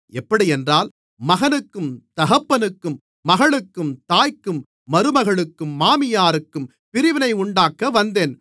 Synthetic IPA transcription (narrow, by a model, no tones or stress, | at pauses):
ɛpːɐɽiɛndraːl | mɐɣɐnɯkːɯmt̪ɐɣɐpːɐnɯkːɯmː | ɐɣɐɭɯkːɯmt̪aːjkːɯmː | ɐɾɯmɐɣɐɭɯkːɯmːaːmɪjaːɾɯkːɯm | pɪɾɪʋɪnɐɪʊɳɖaːkːɐʋɐnd̪eːn